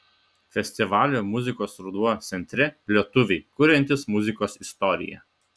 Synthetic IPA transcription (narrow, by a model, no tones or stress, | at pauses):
fʲɛsʲt̪ʲɪʋɑːlʲoːmʊzʲɪkoːsɾʊd̪uɔt̪sʲɛnʲt̪ʲɾʲɛpʲlʲiɛt̪ʊʋʲɛɪkʊɾʲɛnʲt̪ʲɪsmʊzʲɪkoːsɪst̪ɔɾʲɪ̰jɛ̰